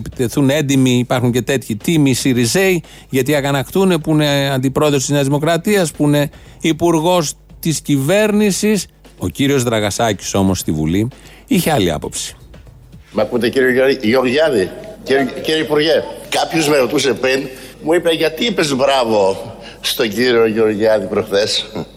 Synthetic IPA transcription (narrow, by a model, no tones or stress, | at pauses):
pi̥t̪eθune̞nd̪imiːpɐɾxuɲce̞t̪e̞t̪çit̪imisiɾize̞j | ʝɐt̪iɐɣɐnɐkt̪une̞puine̞ɐnd̪ipɾo̞ðost̪izɲɐzðimo̞kɾɐt̪iɐspuine̞ | ipuɾɣo̞s | t̪iscive̞ɾnisis | o̞ciɾio̞zðɾɐɣɐsɐci̥so̞most̪ivṵli | içeɐliɐ̰po̞̰psi̥ | mɐkut̪eciɾioʝoʝoɾʝɐði | ciɾeipuɾʝekɐpçozmeɾot̪use̞pɾinmuipeʝɐt̪iipe̞zbɾɐvo̞ | st̪o̞ɲɟiɾio̞ʝoɾʝɐðipɾoxθes